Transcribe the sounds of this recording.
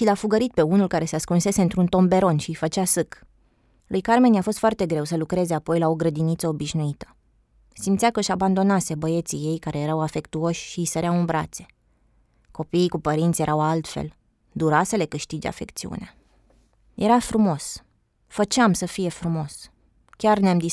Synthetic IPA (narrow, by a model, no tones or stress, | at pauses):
ʃilafuɡəɾit̪̚pe̞unulkaɾe̞seaskunse̞se̞ɨnt̪ɾunt̪o̞mbe̞ɾo̞nʃiifət͡ʃasɨk | lʔujkarme̞njafo̞st̪fart̪e̞ɡɾe̞wsəlukɾe̞ze̞apo̞jlao̞ɡɾəd̪init̪səobiʃnuit̪ə̥ | simt̪sʲakəɨʃaband̪o̞nase̞bəje̞t̪sije̞jkaɾe̞je̞ɾawafe̞kt̪uo̞ʃʲʃiisəɾeaɨnbɾa̰t̪se̞̥ | ko̞piːkupəɾint̪sʲje̞ɾʔawalt̪fe̞̰l | d̪uɾasəle̞kɨʃt̪id͡ʒa̰fe̞̰kt̪siṵnea | jʔe̞ɾafɾumo̞s | fət͡ʃeamsəfije̞fɾumo̞s | kʲarneamd̪i